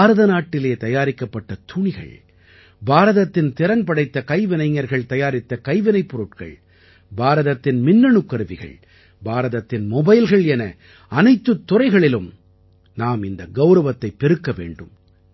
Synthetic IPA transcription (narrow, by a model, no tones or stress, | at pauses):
ɾɐðɐnaːʈːɪleːt̪ɐjaːɾɪkːɐpːɐʈːɐt̪ʰʊɳɪɣɐ̰ɭ | baːɾɐðɐt̪ːɪnt̪ɪɾɐnpɐɽɐɪt̪ːɐkɐɪʋɪnɐɪŋːɐɾɣɐɭt̪ɐjaːɾɪt̪ːɐkɐɪʋɪnɐɪpːɔɾɯʈkɐ̰ɭ | baːɾɐðɐt̪ːɪnmɪnːɐɳɯkːɐɾɯʋɪɣɐ̰ɭ | baːɾɐðɐt̪ːɪnmɔbɐɪlɣɐɭɛnɐ | ɐnɐɪt̪ːɯt̪ːʊɾɐɪɣɐɭɪlɯm | naːmɪnd̪ɐɡɐʊɾɐʋɐt̪ːɐɪpːɛɾɯkːɐʋḛːɳɖɯm